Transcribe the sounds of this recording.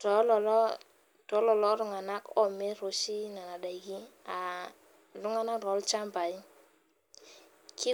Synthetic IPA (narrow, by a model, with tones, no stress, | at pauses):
tɔ˨˦lɔ˨lɔ˦ | tɔ˨˦lɔ˨lɔ˦lʊ˦ŋa˨na˦kɔ˦˨me˦ɾo˨t͡ʃi˦na˨na˨da˨ki˦a˨ | lu˦ŋa˦na˦ɾɔ˨˦lt͡ʃa˦mba˨i˦ | ki˦